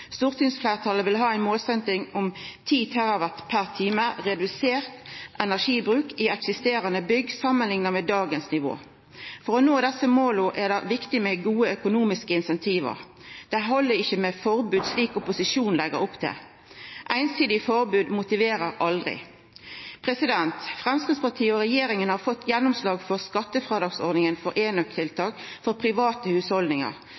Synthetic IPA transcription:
st̪uːʁt̪ʰʏŋsflæɪʁt̪ʰɑːləʋɪlɦɑːæɪnmoːlsɛnt̪ɪŋʊmt̪ʰiːt̪ʰæʁɑʋæʁt̪pʰæʁt̪ʰiːməʁɛd̪ʉseːʁt̪ʔɛnæʁʂiːbʁʉːkɪɛksɪst̪eːʁənəbʏɡːsɑmːənlɪŋnəmɛd̪ɑːɡənsnɪʋo̰ː | fɔʁɔnoːd̪ɛsəmoːlʊʔæʁd̪ɑʋɪkt̪ɪmɛɡuːəœkʊnuːmɪskəɪnsɛnt̪ʰiːʋə̰ʁ | d̪̥ɛɦɔlːəɾɪçːəmɛfɔʁbʉːd̪sliːkʊpʊsɪʃuːnlɛɡə̰ɾʊpt̪ʰɛ̰ | ʔæɪnsiːd̪ɪfɔɾbʉːd̪mʊt̪ɪʋeːɾəɾɑld̪ʁɪ̰ | pʰʁɛsɪd̪ɛnt̪fʁɛmskɪd̪spɑʈ̪ʰiːəɔɾɛjeːɾɪŋənhɑːʁfɔt̪ʰːjɛnːʊmslɑːɡfɔʁskɑt̪ːəfɾeːd̪ɑːɡsɔʁd̪nɪŋənfɔɾʔeːnœkt̪ʰɪlt̪ʰɑːkfɔɾpʰɾɪʋɑːt̪əhʉːshɔld̪nɪŋə̰ɾ

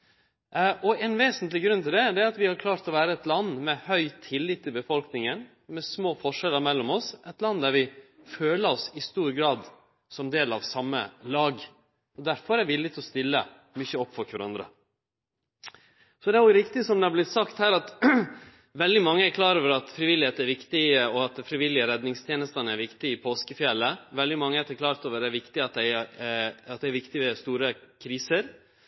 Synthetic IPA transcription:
ʔɔɛnʋeːsənt̪lɪɡɾʉnt̪ʰɪld̪ɛd̪ɛæɾɑt̪ʋɪhɑɾkʰlɑːɾt̪ɔʋæːɾəɛt̪lɑnːmɛhœʏt̪ʰːɪlːɪt̪ːɪlbəfɔlknɪŋən | mɛsmoːfɔʂɛləɾmɛlːɔmɔsʔɛt̪lɑnːd̪æɾʋɪ | føːləɾɔsɪst̪uːɾɡɾɑːd̪ | sɔmd̪eːlɑ̰ʋsɑmːə̰lɑːɡ | ɔd̪æɾfɔɾæʋɪlːɪt̪ʰɔst̪ɪlːə̰ | mʏçəɔpːfɑkːʋɑɾɑ̰nd̪ɾə̰ | sɔd̪ɛæɾjʊɾɪkt̪ɪsɔmd̪ɛɑblɪt̪sɑkt̪hæːɾɑt̪ | ʋɛld̪ɪmɑŋːəæɾkʰlɑːɾoːʋəɾɑt̪fɾɪʋɪlɪheːt̪əæɾʋɪkt̪ɪəɔɑt̪̚fɾɪʋɪlːɪəɾɛd̪nɪŋst̪ʰjeːnəst̪ɑnəæɾʋɪkt̪ɪɪpʰoːskəfjɛlːəʋɛld̪ɪmɑŋːəɛɾt̪ʰɛkʰlɑːɾt̪oːʋəɾɛæɾʋɪkt̪ɪɑt̪̚d̪æɪ | ɑt̪̚d̪ɛɪæɾʋɪkt̪ɪʋɛst̪uːɾəkʰɾiːsəɾ

